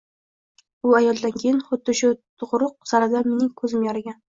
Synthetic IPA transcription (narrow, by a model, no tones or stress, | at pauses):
ʊajɒlˠd̪ankʲʰejɪnχʊd̪ːɪʃʊt̪ʰʊʁɾʊq̚saɾad̪ame̞nɪŋkʰɵzɪmjɒɾaɡʲan